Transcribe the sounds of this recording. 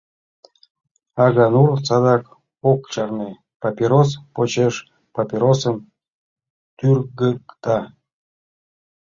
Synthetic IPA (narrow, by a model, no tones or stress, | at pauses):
ɑɣɑnurt͡sɑd̪ɑk | okt͡ɕɑrne | papʲiɾos̬pot͡ɕeʃ | papʲiɾosən | t̪yrɡəkt̪ɑ